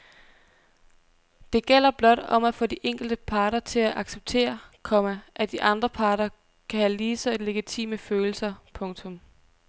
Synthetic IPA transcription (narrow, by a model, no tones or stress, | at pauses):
d̥e̝ɡ̥el̰ɐb̥lɒ̽d̥ɒ̽mæfɔ̰̽ːd̥iʔeŋ̰ɡ̥l̩d̥əpʰɑ̈ːɾ̥ɐt͡sʰe̝læʔɑ̈ɡ̥seb̥̚t͡sʰe̝̰ːɐkʰɒ̽mæʔæd̥iʔɑ̈nd̥ʁɐpʰɑ̈ːɾɐ | kʰæhæliːsɒle̝ɡ̥it͡sʰḭːməføːl̩sɐpʰɔ̽ŋt͡sʰɔ̽m